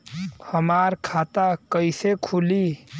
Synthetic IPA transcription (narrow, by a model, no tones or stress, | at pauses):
həmaɾkʰat̪akəɪsekʰuli